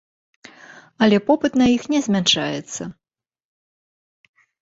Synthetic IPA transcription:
ɐlʲɛpɔpɨt̪nɐjixnʲɛzʲmʲɛnʂajɛt̪sːɐ

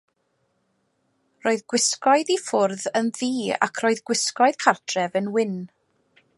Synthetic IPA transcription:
roːɨðɡ̥wɪskɔɨðifʊrðənðiːa̰kʰroːɨðɡwɪskɔɨð̥kʰartʰrɛvənwɪn

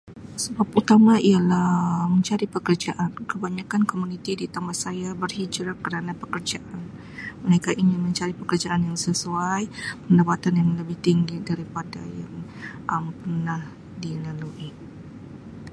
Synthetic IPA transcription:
səbaput̪amãialahməɲt͡ʃaɾipəkərd͡ʒaʔankəbaɲakankomunĩt̪idit̪amasajabərhid͡ʒɾakəɾanapəkərd͡ʒaʔan | məɾekaʔinimə̃ɲt͡ʃaɾipəkərd͡ʒaʔanjaŋsəsuajpəndapat̪anjaŋləbɪht̪iŋɡidaɾipada̰jaŋʔəmpərnah | dilaluʔi

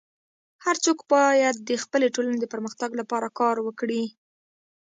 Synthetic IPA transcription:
haɾt͡sokbɑjad̪̚ːəxpəleʈolaned̪əpəɾməxt̪aɡlapɑɾakɑɾwəkɽi

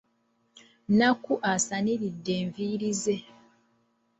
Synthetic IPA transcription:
nakuʔasaniɾidːe̞ːɱviːɾize̞

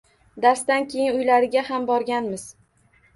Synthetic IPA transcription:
d̪aɾsd̪ankʲʰe̞jɪnʊjlaɾɪɡʲaɦambɒɾɡʲanmɪz

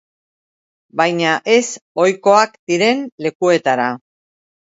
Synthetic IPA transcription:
bajɲaʔe̞so̞jko̞akd̪iɾe̞nle̞kue̞t̪aɾa

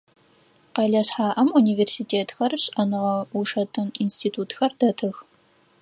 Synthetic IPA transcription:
qɐɮɐɕħaːʔɐmuniːveːrsiːtʰeːtxɐrɕʼɐnɨʁɐuʂɐtʰɨninstʰiːtʰuːtxɐrdɐtʰɨx

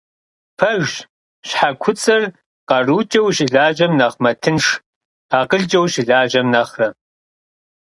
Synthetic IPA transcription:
pʰɐʒ | ɕħakʷʰʊt͡sʼɐr | qɐruːt͡ʃʼɐwɕʼɪɮaːʑɐmnɐχmɐtʰɨnʂʰ | aːqəɮt͡ʃʼɐwɕɪɮaːʑɐmnɐχrɐ

